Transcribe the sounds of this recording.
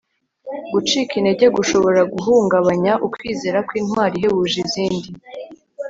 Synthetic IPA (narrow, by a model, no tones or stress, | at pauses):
ɡut͡ʃiːkine̞ɟe̞ɡuʃo̞βo̞ɾaɡuɦuːŋɡaβaɲaʔukwiːze̞ːɾakwiːnwaːɾiɦe̞βuːʒiziːndi